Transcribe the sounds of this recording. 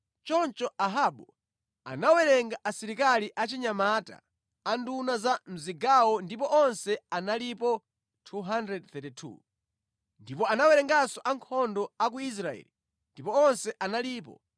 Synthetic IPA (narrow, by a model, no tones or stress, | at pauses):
t͡ʃɔnt͡ʃɔʔaɦaɓu | a̰nawɛɾɛŋɡaʔasiɾikaliʔat͡ʃiɲamata̰ | andunazam̩ziɡawɔndip̬ɔʔɔnsɛanalipɔ | tʰuɦandɾɛdθɛtitʰṵ | ndipɔanawɛɾɛŋɡasɔʔaŋkʰɔndɔak̬uis̬ɾaɛ̰li | ndipɔɔnsɛʔanaliːpɔ̰